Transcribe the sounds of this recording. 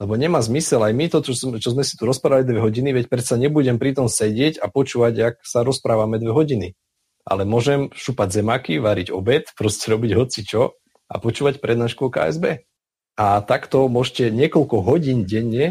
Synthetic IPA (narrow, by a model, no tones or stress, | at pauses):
lɛbɔɲɛmaːzmisɛlajmit̪ɔt̪ɔt͡ʃɔzmɛsi̥t̪uɾɔspɾaːʋalid̪ʋɛɦɔɟiniʋɛcpɾɛt̪saɲɛbuɟɛmpɾit̪ɔmsɛɟɪɛɟapɔt͡ʃuːʋaɟaksaɾɔspɾaːʋamɛd̪ʋɛɦɔɟini | ʔa̰lɛmʊɔʒɛmʃupaɟzɛmakiʋaɾiɟɔ̰bɛt̪pɾɔscɛɾɔbiɟɦɔt͡sit͡ʃɔ | a̰pɔt͡ʃuːʋacpɾɛd̪naːʃkuɔka̰ːɛ̰zbɛː | at̪akt̪ɔmʊɔʃcɛɲɪɛkɔlkɔɦɔɟiːnɟɛɲːɛ